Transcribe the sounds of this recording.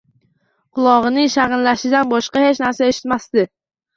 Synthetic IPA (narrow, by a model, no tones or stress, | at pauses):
qʰʊlˠɒʁɨnɪŋʃaʁɨnlaʃɪd̪anbɒʃqɑhet͡ʃnaɾsae̞ʃɪ̥t̪mast̪ɪ